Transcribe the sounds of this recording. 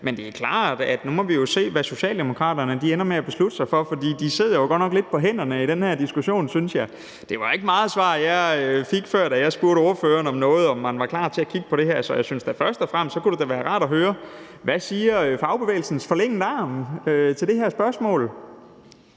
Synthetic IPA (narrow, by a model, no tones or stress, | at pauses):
mend̥e̝ækʰlɑ̰̈ːd̥æd̥numɒ̽ʋijo̝se̝̰ːʋæso̝ɕɛ̰ːld̥emo̝kʰʁɑ̰̈ːdɐnəd̥ienɐmeæb̥e̝slud̥əsɑ̈ɪfɒ̽fɒ̽d̥ḭːd̥ise̝ð̰ˠɐjoɡ̥ɒ̽d̥nɒɡ̥le̝d̥̚pʰɒ̽ɦen̰ɐnəid̥enhæɐ̰d̥isɡ̥uɕo̝̰ːnsynsjɑ̈ɪ | d̥e̝ʋɑ̈e̝ɡ̥əmɑ̈ːð̩ˠsʋɑ̰̈ːjɑɪøfiɡ̥føɐ̰d̥æjɑ̈ɪsb̥uɐɾəo̝ːɐføːɐnɒ̽mnɔ̽ːð̞̩ˠɒ̽mːænʋɑ̈klɑ̰̈ːt͡sʰe̝ækʰiɡ̥ə̥pʰɒ̽ɾ̥e̝ɦæɐsɒ̽jɑ̈ɪsynsd̥æfɶɐsd̥ɒfʁam̰stsɒ̽kuɾ̥e̝d̥æʋæːɐʁɑ̈ːɾ̥æɦøːɐ | ʋæsiːɐfɑ̈ʊb̥e̝ʋḛːl̩sn̩sfɒ̽leŋ̰ndəɑ̈ːmøt͡sʰe̝ld̥e̝hæɐsb̥ɶɐsmɔ̰ːl